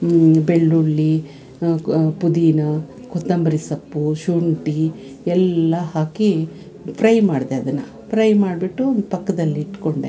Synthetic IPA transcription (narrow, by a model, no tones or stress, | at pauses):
beɭːuɭːi | pud̪iːnɐ | kʰot̪ːɐmbɐɾisɐpːuʃuɳʈi | ɛlːɐhaːki | pʰɾɐjmaːɖd̪eɐd̪ɐnːɐ | pʰɾɐjmaːɖbiʈːuond̪upɐkːɐd̪ɐlːiːʈkoɳɖḛ